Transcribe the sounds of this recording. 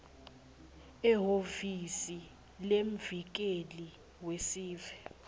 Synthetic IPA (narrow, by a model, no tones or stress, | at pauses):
ɛɦovisi | lem̩vik̬ʼeli | wesiːvɛ